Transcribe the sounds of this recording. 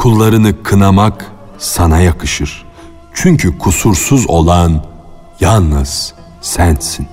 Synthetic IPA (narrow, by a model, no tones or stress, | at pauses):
kʰulˠːaɾɯnɯkʰɯnamak | sanajakʰɯʃɯɾ̥ | t͡ʃʰyɲcʰykʰusuɾsuzo̞lˠan | jalˠnɯz̥ | sænsin